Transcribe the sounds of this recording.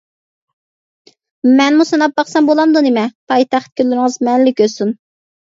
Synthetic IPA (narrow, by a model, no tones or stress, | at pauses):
mɛnmusɑnɑp̚bɑχsɛmbolˠɑmd̪unemɛpʰɑjt̪ʰæχt̪̚kʲʰølːyɾɪŋəzmɛnlɪkʲøsun